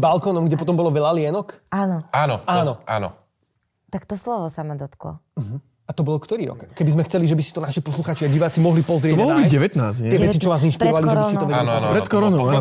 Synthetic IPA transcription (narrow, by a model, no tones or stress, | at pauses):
balkɔːnɔmɡɟɛpɔt̪ɔmbɔlɔʋɛʎalɪɛnɔkaːnɔaːnɔaːnɔʔa̰ːnɔ̰ | t̪akt̪ɔslɔʋɔsamad̪ɔt̪klɔ̰ɦ̩ | at̪ɔbɔlkt̪ɔɾiːɾɔ̰kkɛbizmɛxt͡sɛliʒɛbisi̥t̪ɔnaʃipɔsluxaːt͡ʃiaɟiʋaːt͡simɔɦlipɔzɾɪɛɔɔmɔɦlbiɟɛʋɛt̪naːzɲtɛɪɛʋɛt͡sit͡ʃɔʋaːzinʃpiɾɔʋaliʒɛɾbisit̪ɔʋɛapɾɛt̪kɔɾɔn